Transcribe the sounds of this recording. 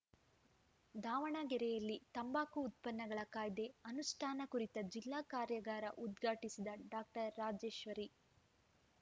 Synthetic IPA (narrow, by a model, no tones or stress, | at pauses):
d̪ʱaːʋɐɳaɡɛɾɛjɐlːit̪ɐmbaːkuːt̪̚pɐnːɐɡɐɭɐkaːjd̪e̞ɐnuʂʈʰaːnɐkuɾit̪ɐd͡ʒilːaːkaːɾjɐɡaːɾɐʔud̪ɡʱaːʈisid̪ɐɖaːk̚ʈɐɾːaːd͡ʒeːʃʋɐɾi